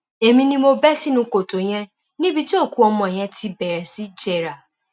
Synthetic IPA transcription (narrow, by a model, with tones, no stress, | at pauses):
e˨mĩ˧nĩ˦mo˧bɛ˦si˦nũ˧ko˨to˨ɲ̃ɛ̃˧ | nĩ˦bi˦ti˦o˦˨ku˨˦ɔ˧mɔ̃˨e˨j̃ɛ̃˧tʰi˧bɛ˨ɾɛ˨si˦d͡ʒɛ˨ɾa˨